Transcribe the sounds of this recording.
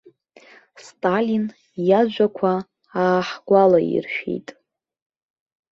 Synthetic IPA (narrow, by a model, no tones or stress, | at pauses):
stʼalin | jad͡ʒʷakʷʰa | aːħɡ̥ʷalaḭrʃᶣḭjtʼ